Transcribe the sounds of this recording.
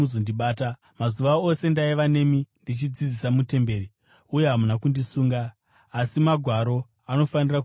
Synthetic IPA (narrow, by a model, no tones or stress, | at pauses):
uzondiɓaːta | mazuʋao̞se̞ndaiʋane̞mindit͡ʃid͡zid͡zisamute̞mbe̞ːɾi | uje̞ɦamunakundisuːŋɡaː | simaɡʱwaɾo̞ | ano̞fanira